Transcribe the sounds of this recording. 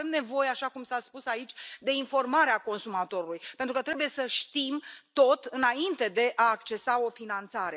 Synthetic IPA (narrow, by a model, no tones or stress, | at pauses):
emne̞vo̞jeaʃakumsaspusait͡ʃʲd̪e̞info̞rmaɾeako̞nsumat̪o̞ɾulujpent̪ɾukət̪ɾe̞buje̞səʃt̪imt̪o̞t̪ɨnaint̪e̞d̪e̞ʔaːkt͡ʃe̞sao̞finant̪saɾe̞